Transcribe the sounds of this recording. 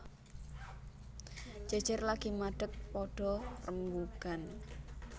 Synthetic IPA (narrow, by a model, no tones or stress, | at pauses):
d͡ʒ̥ad̥d͡ʒ̥ərlaɡ̥imaɖ̥ək̚pɔɖ̥ɔ̤rəmbuɡ̥an